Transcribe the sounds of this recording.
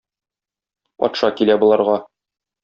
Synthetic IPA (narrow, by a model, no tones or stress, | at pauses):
pɒ̰t̪ʃɑkilæbŭlˠɑɾʁɑ